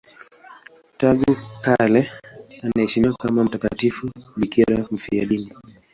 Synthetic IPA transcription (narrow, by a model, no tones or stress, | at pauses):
taɡukalɛanaɛʃimiwakamam̩takatifuɓikiɾam̩fiaɗini